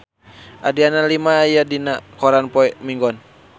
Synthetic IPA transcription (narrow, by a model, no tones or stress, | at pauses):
ʔadianalimaːjadinakɔɾanpɔɛmiŋɡɔn